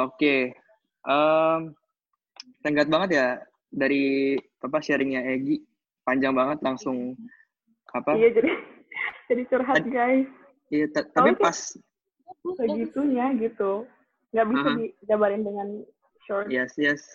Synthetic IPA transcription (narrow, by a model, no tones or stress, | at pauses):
oke | ʔəm | səŋɡat̪̚baŋət̪̬ja | daɾi | ap̬aʃɛɾɪŋɲaeɡi | paɲd͡ʒaŋbaŋət̪laŋsʊŋ | apaijad͡ʒadid͡ʒadit͡ʃəɾɦat̪̚ɡajs | ijat̪at̪apikpas | bəɡit̪uɲaɡit̪u | ŋɡaʔbisadidabaɾɪndəŋan | ʃɔjɛsjɛs